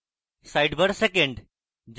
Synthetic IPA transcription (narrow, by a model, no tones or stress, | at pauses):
saːɪɖbəɾsekẽɳɖ | d͡ʑ